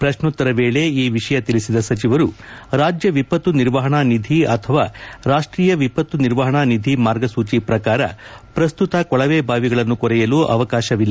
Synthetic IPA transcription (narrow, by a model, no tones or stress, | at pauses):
pɾɐʃɳut̪ːɐɾɐʋeːɭe̞iːʋiʂɐjɐt̪ilisid̪ɐsɐt͡ʃiʋɐɾuɾaːd͡ʒjɐʋipɐt̪ːuniɾʋɐɦɐɳaːnid̪ʱiɐt̪ʰɐʋaːɾaːʂʈɾiːjɐʋipɐt̪ːuniɾʋɐɦɐɳanid̪ʱimaːɾɡɐsuːt͡ʃipɾɐkaːɾɐ̰pɾɐst̪ut̪ɐkɔɭɐʋeːbʱaːʋiɡɐɭɐnːukɔɾɛjɐluːʔɐ̰ʋɐkaːʃɐʋilːɐ